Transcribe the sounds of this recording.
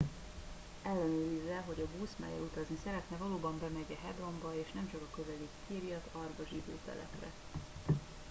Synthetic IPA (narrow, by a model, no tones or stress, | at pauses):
ɛlːɛnøːɾizɛɦo̞ɟɒbuːsmɛ̰jɛ̰lut̪ɒznisɛɾɛt̪nɛvɒloːbɒmbɛmɛɟɛɦɛd̪ro̞mbɒeːʃnɛmt͡ʃɒkɒkøvɛlikk̪ʰiːɾijɒt̪ɒrbɒʒid̪ø̰ːt̪ɛ̰lɛ̰prɛ̰